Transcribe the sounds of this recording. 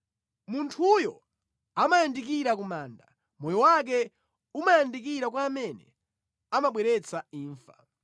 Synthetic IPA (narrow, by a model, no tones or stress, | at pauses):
muntʰujɔ | amajandik̬iɾakumaːnda | mɔjɔwak̬ɛ | umajandik̬iɾak̬waːmɛnɛ̰ | amaɓwɛɾɛt͡sʰaiːɱfa